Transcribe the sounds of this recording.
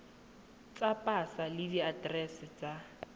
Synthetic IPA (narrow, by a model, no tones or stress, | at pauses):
t͡sʼapʼasalɪdiadrɛsɪt͡sa